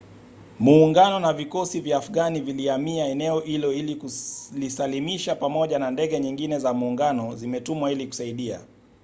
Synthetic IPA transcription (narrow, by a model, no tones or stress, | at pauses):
muːŋɡanɔnavikɔsivjaːfuɠaniviliamiaɛnɛɔʔilɔilikulisalimiʃapamɔʄanandɛɠɛɲiŋɡinɛzamuːŋɡanɔzimɛtumwailiku̥saiɗia̰